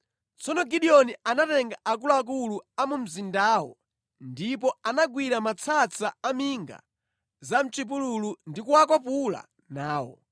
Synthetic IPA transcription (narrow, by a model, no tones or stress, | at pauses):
t͡sɔnɔɡiɗiɔnianatɛŋɡaʔak̬ulak̬uluamum̩zindaːwɔ̰ | ndipɔanaɡwiɾamat͡sʰat͡sʰaamiŋɡa̰ | zam̩t͡ʃip̬ululundikuwak̬ɔpula̰ | naːwɔ̰